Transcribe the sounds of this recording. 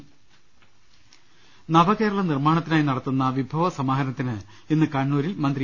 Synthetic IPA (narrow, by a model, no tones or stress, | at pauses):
nɐbɐke̞ːɾɐɭɐnirmaːɳɐt̪ːinaːjnɐɽɐt̪ːunːɐʋibʱɐʋɐsɐmaːɦɐɾɐnɐt̪ːinɨ | enːɨkɐɳːuːɾilmɐnd̪ri